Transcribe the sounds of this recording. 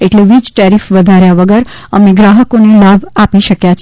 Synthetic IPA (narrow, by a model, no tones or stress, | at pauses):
eʈleʋid͡ʒʈaɾifʋəd̪ʱaɾjaʋəɡəɾ | əmeɡɾaɦəkonelabapiʃəkjat͡ʃʰ